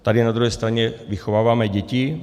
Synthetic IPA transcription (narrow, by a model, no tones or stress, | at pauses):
t̪adɪnad̪ɾuɦɛst̪ɾaɲɛvɪxovaːvaːmɛɟɛcɪ